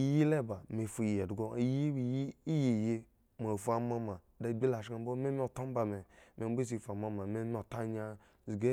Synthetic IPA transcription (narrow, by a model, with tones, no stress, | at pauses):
i˦ji˦le˦˨ba˨me˨fu˨ji˨je˨dɡo˦ji˦i˨ji˦i˦ji˨je˧ | m˨a˨fa˨ma˧ma˨ | da˦˨bi˦la˨ʃa˨˦bo˦me˦mʲi˦o˨to˦m˦ba˨me˨me˨˦be˦si˨fa˨ma˧ma˨me˦mʲ˦o˨ta˦ɲa˧ | zi˨ɡe˦